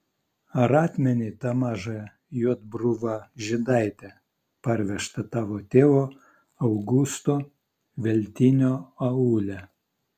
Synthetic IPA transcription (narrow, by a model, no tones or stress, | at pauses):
ɐɾɑːt̪ʲmʲɛnʲɪːt̪ɑmɑːʒɑ | juɔd̪bɾʊʋɑʒʲɪd̪ɐɪt̪ʲɛ | pɐɾʲʋʲɛʃt̪ɐt̪ɑːʋoːt̪ʲeːʋoː | ɐʊɡʊst̪oː | ʋʲɛlʲt̪ʲɪnʲoːɐuːlʲɛ